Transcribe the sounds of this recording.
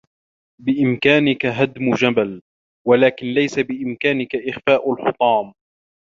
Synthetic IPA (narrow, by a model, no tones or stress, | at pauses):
bɪʔɪmkaːnɪkaɦad̪mʊd͡ʒabal | walaːkɪnlajsabɪʔɪmkaːnɪkaʔɪxfaːʔalħʊt̪ˤɑːm